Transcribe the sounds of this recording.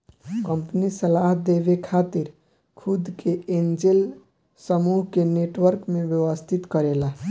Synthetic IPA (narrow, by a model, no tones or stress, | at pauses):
kəmpnisəlaɦd̪ebekʰat̪iɾ | kʰud̪keend͡ʒel | səmuɦkeneʈwəɾkmebjəwəst̪ʰit̪kəɾela